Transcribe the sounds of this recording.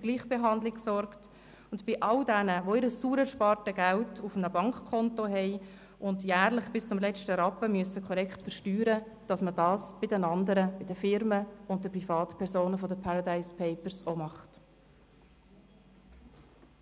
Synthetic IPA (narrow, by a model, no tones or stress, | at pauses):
fyɡ̥liːχb̥eɦɑndlɪksɔɾkt | ʊndb̥ɪʔɑldænəʋoɪɾəsːuːɾəʃpɑːɾtəɡæltʰufənəbɑŋkkʰɔntoɦɛɪ | ʔʊndjæːɾlɪχb̥ɪst͡sʊmlɛt͡ʃtəɾɑpːəmyəsəkʰɔɾɛkχtfəɾʃtyːɾə | d̥ɑsmədɑːsb̥ɪdənɑndəɾəb̥ɪdəfɪɾməʊnt̚dəprifɑːtpʰɛɾsoːnəfɔdəpʰaɾɑdaɪspʰɛɪpəɾsomɑχt